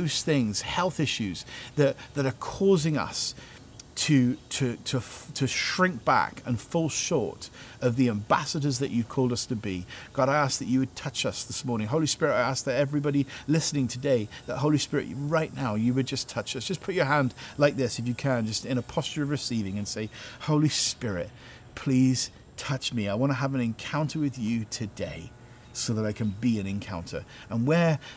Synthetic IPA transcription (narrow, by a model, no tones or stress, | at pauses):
ʊz̥θɪ̃ŋz̥hɛlˠθɪʃʉz̥ðɨt̪̚ðɨɾə˞kʰɔzɪ̃ŋʌ̰s | tʰɨtʰɨɾʰətʰɨʃɹ̥ɪ̃ŋk̚b̥æ̰kɨ̃nfɔlˠʃɔ̰ɹɾʌvðiæ̃mbæ̰səɾə˞zðɨt͡ʃɨv̥kʰɔlˠdʌstʰɨbiɡ̥ɑɾaɪæsk̚ðɨt͡ʃɨwɨd̚tʰʌt͡ʃʌsðɪsmɔɹnɪ̃ŋɦoʊlˠispɪɹɨtaɪæsk̚ðɨɾɛvɹibɑɾilɪsnɪ̃ŋtʰɨdeɪðəʔ̚ɦoʊlˠispɪɹɨ̰ʔɹaɪʔⁿnaʊjɨwɨd̚d͡ʒʌstʰʌt͡ʃʌsd̥ʒ̥ʌspʰʊt͡ʃə˞ɦæ̃ndlaɪk̚ðɪsɨfjɨkʰɨ̃nd͡ʒʌstɨ̃ñəpʰɑst͡ʃə˞ʌvɹɨsivɪ̃ŋɨ̃nseɪhoʊlˠispɪɹɪ̰t̚ | pʰl̥iz̥ | tʰʌt͡ʃmiaɪwɑ̃ñəəvɨ̃nɨ̃nkʰãʊ̃ntʰə˞wɨðjɨtʰɨdeɪ | soʊðəɾaɪkʰɨ̃nbiɨ̃nɨ̃nkʰãʊ̃ntʰə̰˞ | ə̃nwə˞